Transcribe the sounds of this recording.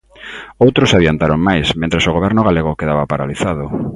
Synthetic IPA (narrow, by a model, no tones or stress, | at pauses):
owt̪ɾʊsaðjant̪aɾoŋmajsmẽnt̪ɾesoɣoβ̞ɛɾnʊɣaleɣokeðaβapaɾaliθaðʊ